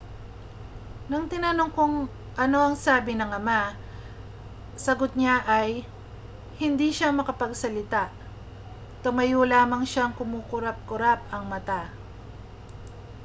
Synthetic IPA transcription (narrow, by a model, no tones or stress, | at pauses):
nɐŋt̪ɪnɐnoŋkoŋ | ʔɐno̞ɐŋsaːbɪnɐŋɐma | sɐɡot̪̚ɲaʔɐj | hɪnd̪iʃamɐkɐpɐɡsɐlɪt̪aʔ | t̪ʊmɐjulaːmɐŋʃaŋkʊmuːkʊɾap̚kʊɾap̚ɐŋmɐt̪a